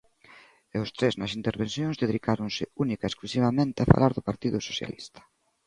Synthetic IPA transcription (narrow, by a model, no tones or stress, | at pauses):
eʊst̪ɾeznɐsint̪eɾβensθjoŋzðeðikaɾʊŋsɪunikaesklusiβamẽnt̪ɪafa̰laɾðʊpaɾt̪iðʊsoθja̰list̪ɐ̥